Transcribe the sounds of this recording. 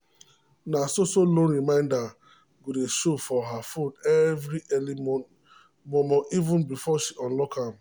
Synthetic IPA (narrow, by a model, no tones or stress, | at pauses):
nasosolõnɾimãɪ̃nda | ɡudeʃofɔɦafõnɛvɾiʔɛlimɔ | mɔmɔ̃ivʊ̃nbifɔʃiʔɔ̃nlɔkam